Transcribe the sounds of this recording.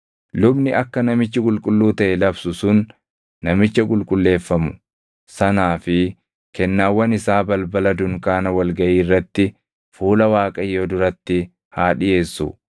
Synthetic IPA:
lʊbnɪʔɐkːɐnɐmɪt͡ʃːɪkʼʊlkʼʊlːuːt̪ɐʔɛlɐbsʊsʊnː | ɐmɪt͡ʃːɐkʼʊlkʼʊlːe̞ːfːɐmʊ | sɐnaːfɪ | kɛnːaːwːɐnɪsaːbɐlbɐlɐd̪ʊŋkaːnɐwɐlɡɐʔiːrːɐt̪ːɪ | fuːlɐwaːkʼɐjːoːd̪ʊɾɐt̪ːɪ | haːᶑɪje̞ːsːʊ̰

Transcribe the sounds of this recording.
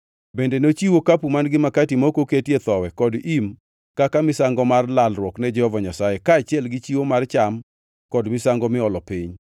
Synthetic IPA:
bendenot͡ʃiwokapumanɡɪmakatimokoketjet̪ɔwɛkɔdim | kakamɪsaŋɡɔmarlalrwɔknɛd͡ʒɛhɔvaɲasajekaːt͡ʃɪɛlɡɪt͡ʃiwomart͡ʃam | kɔdmɪsaŋɡɔmɪɔlɔpiɲ

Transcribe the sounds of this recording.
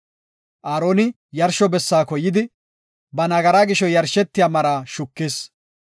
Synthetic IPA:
ʔaːɾoːnɪ | jɐɾʃɔbɛsːaːkɔjːɪd̪ɪ | bɐnɐɡɐɾaːɡɪʃɔjɐɾʃɛt̪ːɪjaːmɐɾaːʃʊkːeːs

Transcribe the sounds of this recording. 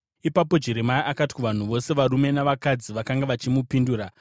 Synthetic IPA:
ipapo̞d͡ʒe̞ɾe̞maiʔakati̥kuʋan̤uʋo̞se̞ʋaɾume̞naʋakad͡ziʋakaŋɡaʋat͡ʃimupinduːra

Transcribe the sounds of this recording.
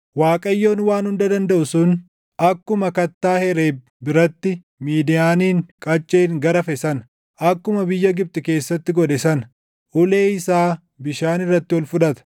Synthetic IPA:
waːkʼɐjːo̞ːnwaːnhʊnd̪ɐd̪ɐnd̪ɐʔʊsʊn | ɐkːʊmɐkɐt̪ːaːhɛɾeː | bɪɾɐt̪ːɪ | miːd̪ɪjaːniːŋkʼɐt͡ʃʼːeːŋɡɐɾɐfɛsɐn | ɐkːʊmɐbɪjːɐɡɪb̚t̪ʼɪke̞ːsːɐt̪ːɪɡɔᶑɛsɐn | ʔʊleːɪsaː | bɪʃaːnɪrːɐt̪ːɪwɔlfʊᶑɐt̪ɐ̥

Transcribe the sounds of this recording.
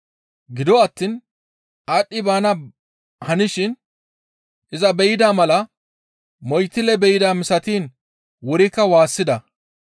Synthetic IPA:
ɡɪd̪ɔɐt̪ːiːn | ʔaɗːɪbaːnɐ | hɐnɪʃɪn | ʔɪzɐbɛjɪd̪aːmɐlɐ | mɔjt̪ːɪlɛbɛjɪd̪aːmɪsɐt̪iːn | wʊɾɪkːɐwaːsːɪd̪ɐ

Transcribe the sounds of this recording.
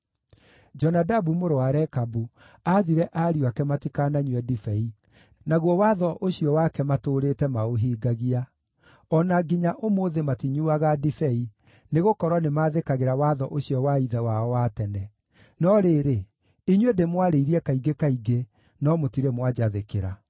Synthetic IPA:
d͡ʒɔnadabumoɾowaɾɛkabu | aðiɾɛʔaɾiuakɛmatikanaɲwɛdifɛi | naɣwɔwaðɔʔoɕiɔwakɛmatoːɾetɛmaoɦiːɡaɣia | ɔnaɡiɲaʔomoðematiɲuaɣadifɛi | neɣokɔɾwanemaðekaɣeɾawaðɔʔoɕijɔwaiðɛwaɔwatɛnɛ | nɔɾeːɾe | iɲwedemwaɾeiɾiɛkaiɡekaiɡe | nɔmotiɾemwad͡ʑaðekeɾa

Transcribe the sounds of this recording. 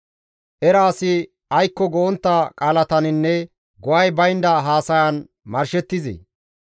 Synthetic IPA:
ʔɛɾaːsɪ | ɐjkːɔɡɔɔnt̪ːɐkʼaːlɐt̪ɐnɪnːɛ | ɡɔwɐjbɐjnd̪ɐɦaːsɐjɐn | mɐɾʃɛt̪ːɪzḭ

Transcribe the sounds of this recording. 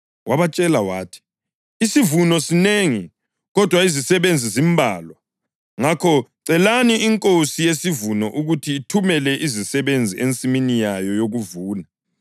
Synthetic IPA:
wʔaβat͡ʃʼɛlawaːtʰi̥ | isivunɔsineŋi | ɣɔd̥ʱwaizisɛβend͡zʱizimbʱaːlwa | ŋakʰɔǀɛlaniiŋkʼosijesivunɔʔuɣutʰiːtʰumɛlɛʔizisɛβend͡zʱiʔent͡sʼiminijajɔjoɣuvuːna

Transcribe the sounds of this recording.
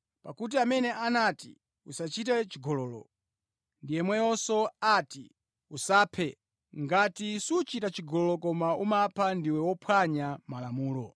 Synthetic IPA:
pakut̬iamɛnɛʔanati | usat͡ʃit̬ɛt͡ʃiɡɔlɔːlɔ̰ | ndijɛmwɛjɔsɔati | usaːpʰɛ | ŋɡatisut͡ʃitat͡ʃiɡɔlɔlɔkɔmaumapʰandiwɛwɔpʰwaɲamalamuːlɔ

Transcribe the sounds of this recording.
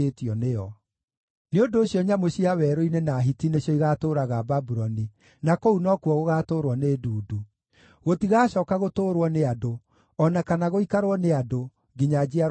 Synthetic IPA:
etiɔneɔ | neondoːɕjɔɲamoɕiawɛːɾoinenaɦitineɕjɔiɣatoːɾaɣababuɾɔni | nakounɔkuɔɣoɣaːtoːɾwɔneduːdu | ɣotiɣaːɕɔːkaɣotoːɾwɔneado | ɔnakanaɣoikaɾwɔneado | ɡiɲad͡ʑia

